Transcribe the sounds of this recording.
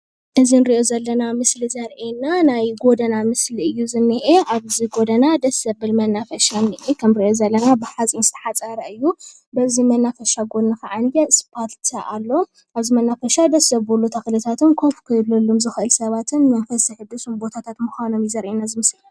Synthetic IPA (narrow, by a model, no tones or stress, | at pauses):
ʔɨzinɾiʔo̞zɐlːɐnamɨslizɐɾʔenanajɡo̞d̪ɐnamɨsliɨjːuzɨnːɨʔeʔaβziɡo̞d̪ɐnad̪ɐsɐbɨlmɐnːafɐʃanːɨʔekʰɐmɾiʔozɐlːɐnabɨħazʼinzɨt̪ʰɐ̥ħat͡sʼɐɾɐɨjːu | bɐzimɐnːafɐʃaɡo̞naxɐʕanjɛspʰalt̪ʰaʔalːo̞ | ʔaβzimɐnːafɐʃad̪ɐsɐβbolːot̪ʰɐxlɨt̪ʰat̪ʰɨnkʰofkʰɐjlɐlːumzɨxɨʔɨlsɐβat̪ʰɨnmɐnfɐsiħɨd̪ɨsumbo̞t̪ʰat̪ʰat̪mɨxʷanomjizɐɾʔenazɨmɨslɐ